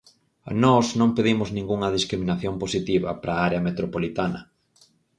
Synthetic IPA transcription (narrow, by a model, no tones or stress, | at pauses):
nɔznõŋpeðimʊznĩŋɡuŋɐðiskɾimĩnaθjomposit̪iβɐ̰pɾaaɾeɐmet̪ɾopolit̪anɐ̰